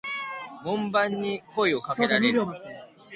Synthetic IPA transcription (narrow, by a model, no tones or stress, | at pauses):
mõmbãɲːikoiokakeɾae